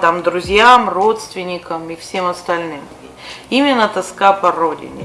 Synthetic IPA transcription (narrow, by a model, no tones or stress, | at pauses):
t̪amd̪ɾʊzʲjamro̞t̪st̪vʲɪnʲɪkəmifsʲemɐst̪ɐlʲnɨm | i | imʲɪnːət̪ɐskapɐrodʲɪ̰nʲɪ̰